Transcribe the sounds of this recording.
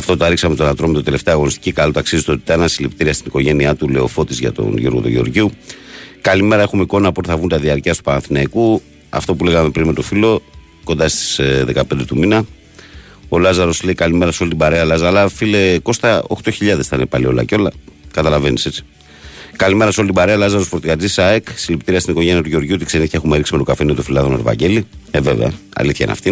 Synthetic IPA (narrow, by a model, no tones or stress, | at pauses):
ɐft̪ot̪oɐɾiksɐmet̪onɐt̪ɾo̞met̪od̪e̞le̞ft̪eɐɣo̞nist̪i̥cikalot̪ɐksizet̪o̞t̪i̥t̪ɐnɐsilept̪iɾiɐst̪iniko̞ʝe̞niɐt̪ule̞o̞fo̞t̪izʝɐ̰t̪o̞̰nʝo̞ɾɣot̪uʝeo̞̰ɾʝiu | kɐlime̞ɾɐe̞xumeiko̞nɐpuot̪eθɐvunt̪ɐðiɐɾciɐst̪upɐnɐnθinɐiku | ɐ̰ft̪o̞pule̞ɣɐme̞pɾinme̞t̪o̞filo̞ | ko̞nd̪ɐst̪i̥sðe̞kɐpe̞nd̪e̞t̪uminɐ | o̞lɐzɐɾo̞sle̞ikɐlime̞ɾɐseo̞lit̪ibɐɾeɐlɐzɐlɐfileko̞st̪ɐo̞̰xt̪o̞çiʎɐðe̞sθɐinepɐlio̞lɐ̰co̞lɐkɐt̪ɐlɐve̞nise̞t͡si̥ | kalime̞ɾɐso̞lit̪ibɐɾeɐlɐzɐɾofot̪iɣɐd͡zisɐekst̪ilept̪iɾiɐst̪iniko̞ʝe̞niɐt̪uʝeo̞ɾʝut̪ikseniθçɐe̞xumeɾiksime̞t̪o̞kafenimet̪ofilɐðo̞neɾvɐ̰ɲɟe̞lievevḛɐ̰ɐ̰liθçɐḭnɐ̰ft̪i